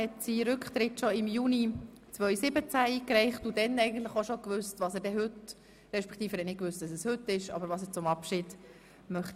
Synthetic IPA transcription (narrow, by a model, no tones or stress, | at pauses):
hɛtsiɾʏkχt̪ɾɪtʃoɪmjuːni | t͡sʋœʏsɪbət͡sæikɾɛɪχtudɛnɛɪɡən̩t̪ləχoʃokʋʏstʋɑːsəɾdɛɦʏt | ɾɛʃpɛ̥kχt̪iːfəɾhɛnɪkʋʏst̚d̥ɑsəshʏtːɪʃɑ̰bəɾʋɑːsət͡sʊmɑpʃid̥ | mœχt̪